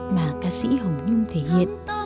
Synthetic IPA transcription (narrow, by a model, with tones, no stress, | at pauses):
maː˨˩kaː˧sḭ˧˥ɦə˨˩wŋ͡mɲu˧ŋt̪ʰe˧˩ɦḭ˧˨ən